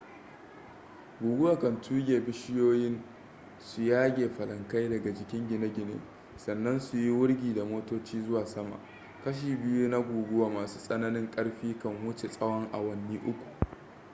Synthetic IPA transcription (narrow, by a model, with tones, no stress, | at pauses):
ɡʷuː˨ɡʷʊ˦waː˨kɐ˨ntʰuː˦ɡʲeː˨bɪ˦ʃɪ˦joː˦jɪ˦n | su˨jaː˦ɡʲeː˨ɸɐ˨lɐ˨ŋka˦jdɐ˨ɡa˨d͡ʒɪ˨kʲɪ˦ŋɡʲɪ˨ne˦ɡʲɪ˨nḛ˦ | sɐ˨nːɐ˦nsu˨ji˦wʊ˦ɽɡʲiː˨da˨moː˦toː˦t͡ʃiː˦zʊ˦waː˨sɐ˦ma̰˨ʔ | kɐ˦ʃ̬iː˨bɪ˦juː˦na˦ɡʷuː˨ɡʷʊ˦waː˦maː˨su̥ː˦sʼɐ˦nɐ˦nɪ˦ŋkʼɐ˦ɽɸiː˦kɐ˨ŋwʊ˦t͡ʃe˨sʼɐ˦wɐ˦ŋʔa̰˨wɐ˨nːiː˦ʔʊ˦kʷu̥˨ʔ